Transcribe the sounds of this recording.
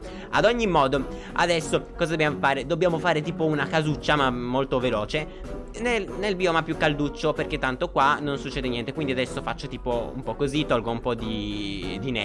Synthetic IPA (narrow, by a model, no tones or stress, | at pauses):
a̰d̪oɲːimːɔːd̪o | a̰d̪ɛsːokɔːzad̪objaːmofaːɾed̪obːjaːmofaːɾet̪iːpounakazut͡ʃːamamːolt̪ovelɔːt͡ʃe | nelnelbiomapːjukːald̪ut͡ʃːoperket̪ːant̪okwanonsut͡ʃːɛːd̪enjɛnt̪ekwind̪iad̪ɛsːofat͡ʃːot̪iːpoṵmpɔkːozit̪ɔlɡoumpɔd̪id̪inɛ̰